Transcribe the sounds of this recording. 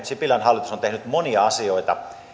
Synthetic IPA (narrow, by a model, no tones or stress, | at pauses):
sipilɑnhɑlːˑit̪usont̪ehnyt̪moniɑɑsioit̪ɑ̰